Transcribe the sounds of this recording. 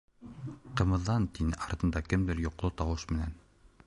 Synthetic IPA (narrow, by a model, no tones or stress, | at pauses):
qɤ̆mɤ̆ðːɑnt̪inɘʔɑɾt̪ɤ̆nd̪ɑkɘmd̪ɘɾjŏqlˠɤt̪ɑwɤʃmɘ̆næn